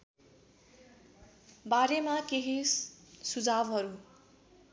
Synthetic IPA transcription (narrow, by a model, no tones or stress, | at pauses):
baɾemakeɦisud͡zabɦʌɾu